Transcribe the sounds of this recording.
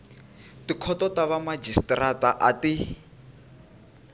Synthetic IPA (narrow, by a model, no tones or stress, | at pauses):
tikʰɔtɔtaβamad͡ʒistrataʔati